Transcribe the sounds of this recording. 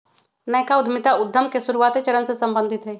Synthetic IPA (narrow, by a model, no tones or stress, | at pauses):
nɐɦkaʊd̪ʱmɪt̪aʊd̪ʱːəmkesʊɾuaːt̪et͡ʃɐɾənsesɐ̃mbə̃nd̪ʱɪt̪ɦɛː